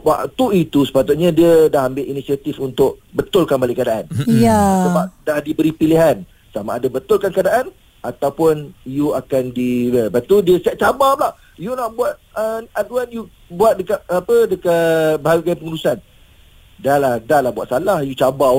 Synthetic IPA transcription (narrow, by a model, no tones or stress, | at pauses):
ba̰ʔt̪uit̪usə̥pat̪ʊt̪̚ɲãdiədaɦambɪʔinisiat̪ifunt̪ʊʔbət̪ʊlkanbalɪʔkadaʔanjasəbap̚dahdibəɾipiliɦan | samaːdabət̪ʊlkankadaʔan | ʔat̪awpʊnjuakandiəbat̪udiəsaʔ̚t͡ʃabalah | junaʔbuat̪̚əat̪̚wɛnju | buat̪̚dəkat̪̚apədəkabəɦaɡajpəŋuɾusan | dalahdalahbuat̪salahjut͡ʃaba